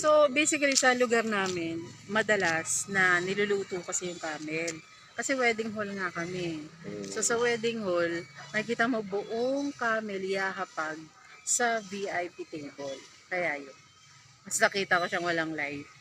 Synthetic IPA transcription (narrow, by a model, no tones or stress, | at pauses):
so̞bejsɪkɐlisɐlʊɡaɾnaːmɪnmɐd̪ɐlasnɐnɪlʊluːt̪uːkɐsɛjʊŋkaːmɛl | kɐsɛwɛːd̪ɪŋɦolŋɐkɐmɛso̞sɐwɛd̪ɪŋholmɐkɪk̬iːt̪ɐmo̞bʊʔoŋkaːmɛljaːɦɐpaɡ̚ | sɐviʔajpit̪ɪŋbol | kɐjaːjon | mɐsnɐkiːt̪ɐkoʃaŋwɐlaŋlajt̪̚